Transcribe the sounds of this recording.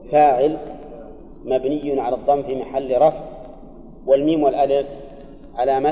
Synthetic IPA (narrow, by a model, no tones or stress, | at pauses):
faːʕɪl | mabnɪjːʊnʕalaðˤːɑmːfimaħalːɾˤɑfʕ | wɪlmiːmwɪlʔalɪf | ʕalama